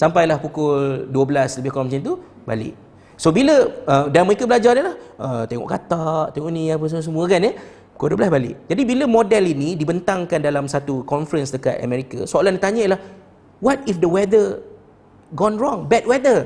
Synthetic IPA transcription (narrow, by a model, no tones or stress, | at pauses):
sampajlahpukʊlduəbəlasləbɪhkɔmat͡ʃɪnt̪u | ba̰lɪ̰ʔ | sobiləədaməɾekabəlad͡ʒadəlahʔət̪ɛŋɔ̰ʔkat̪aʔt̪ɛŋɔʔniap̬əsəmuəs̬əmũəkanə | pu̥kʊlduəblasbalɪ̰ʔd͡ʒadibiləmɔdɛlinidibənt̪aŋkandalamsat̪ukɔnfəɾənsdəka̰t̪ə̰mɛɾika̰soalandit̪aɲaiəlah | wɔt̪̚ifdəwɛdə | ɡɔnɹɔ̃ŋbɛt̚wɛdə